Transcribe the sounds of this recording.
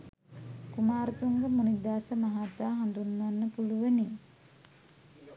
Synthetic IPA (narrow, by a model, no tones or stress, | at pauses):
kumaːɾut̪uŋɡəmunid̪aːsəmaɦat̪aːɦand̪unːanːəpuluʋəni